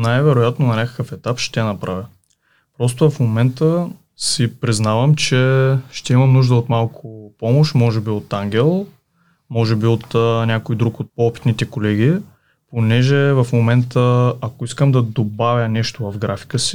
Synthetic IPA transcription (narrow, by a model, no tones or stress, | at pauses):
najvɛɾojat̪nonɐnʲakə̥kəfɛt̪apʃt̪ɛnɐpɾʔavʲə | pɾɔs̬t̪ovɐfmomɛnt̪ə | sipɾiznavəmt͡ʃɛʃt̪ɛimɐnuʒd̪əot̪malˠkʰopɔmoʃt̪mɔʒɛbiot̪aŋɡʲɛlˠ | mɔʒɛbiot̪ənʲakojd̪ɾukot̪̚poɔpi̥t̪nit̪ɛkolɛɡ̟ʲi | ponɛʒɛvɐfmomɛnt̪əɐkoiskəmd̪ɐd̪obavʲjənɛʃt̪ovɐfɡɾafi̥kəsi̥